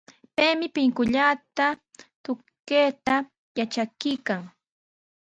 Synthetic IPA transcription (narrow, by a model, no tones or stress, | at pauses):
pejmɪpɪŋkʊʎat̪at̪ʊ | keːt̪a | jat͡ʃakɪjkaŋ